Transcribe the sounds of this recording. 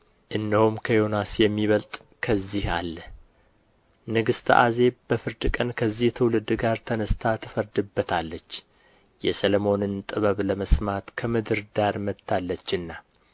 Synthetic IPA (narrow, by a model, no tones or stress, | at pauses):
ʔɨnːəhumkʰəjo̞nasjɛmːiβəlt̪ʼ | kʰəzːiha̰lːə | nɨɡɨst̪ʰʔa̰ze̞b̥əfɨɾd̪ɨkʼənkʰəzːiht̪ʰɨwlɨd̪ɡaɾt̪ʰənəst̪ʰat̪ʰɨ̥fəɾd̪ɨbːət̪ʰalːət͡ʃː | jɛsəlomo̞nɨnt̪ʼɨβəβləməsmat̪kʰəmɨd̪ɨɾd̪aɾmət̪ʰːalːət͡ʃːɨnːa